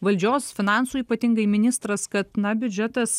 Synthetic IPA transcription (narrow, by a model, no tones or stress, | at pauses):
ʋɐlʲd͡ʒʲoːsfʲɪnɑnsuːiːpɐt̪ʲɪŋɡɐɪmʲɪnʲɪst̪ɾɐskɐt̪nɐbʲʊd͡ʒʲɛt̪ɐs